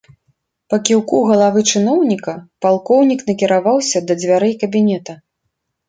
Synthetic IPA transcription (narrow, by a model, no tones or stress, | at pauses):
pɐkʲiwkuɣɐlˠavɨt͡ʂɨnɔwnʲikɐpalˠkɔwnʲikn̪ɐkʲiɾavawsʲɐd̪ɐd͡zʲvʲaɾɛjkɐbʲinʲɛt̪ɐ